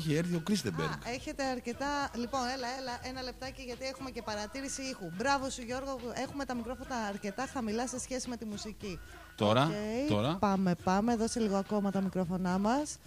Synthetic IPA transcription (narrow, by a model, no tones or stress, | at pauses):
çieɾθio̞kɾisd̪ebbḛɾɡeçe̞t̪e̞ɐɾce̞t̪ɐlipo̞ne̞lɐelɐʔenɐle̞p̚t̪ɐceʝɐt̪iexume̞ce̞pɐɾɐt̪iɾisiixubɾɐvo̞suʝo̞ɾɣoe̞xumet̪ɐmikɾo̞fo̞nɐːɾce̞t̪ɐxɐmilɐse̞sçe̞sime̞t̪imusici | t̪oɾɐet̪oɾɐpɐme̞pɐmeðo̞seliɣoɐko̞mɐt̪ɐmikɾo̞fo̞nɐmɐs